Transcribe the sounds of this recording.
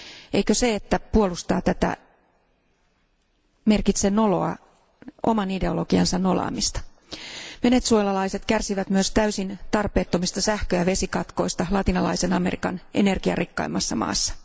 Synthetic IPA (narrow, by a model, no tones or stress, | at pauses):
ʔejkøseet̪ːæpuo̞lust̪ɑːt̪æt̪æ̰ | me̞rkit̪seno̞lo̞̰ɑ̰ | ʔo̞̰mɑnide̞o̞lo̞ɡ̥iɑnsɑnno̞lɑ̰ːmist̪ɑ̥ | ʋe̞net̪suojlɑlɑise̞t̪kærsiʋæt̪myøst̪æysint̪ɑrpe̞ːt̪ːomist̪ɑsæhkøæʋe̞sikɑt̪ko̞jst̪ɑlɑt̪inɑlɑ̰jse̞nɑme̞rḭkɑ̰nʔe̞̰ne̞rɡ̥iɑ̰rikːɑ̰imɑsːɑmɑ̰ːsːɑ̥